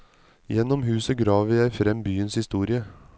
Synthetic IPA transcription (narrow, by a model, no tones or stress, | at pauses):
jɛnɔmhʉːsəɡɾɑːʋʋɪæɪfɾɛmbyːənshɪst̪uːɾɪə